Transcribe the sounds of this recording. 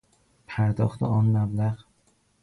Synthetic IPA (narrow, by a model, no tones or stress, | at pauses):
pʰaɾd̪ɒχt̪aɒnmablaʁ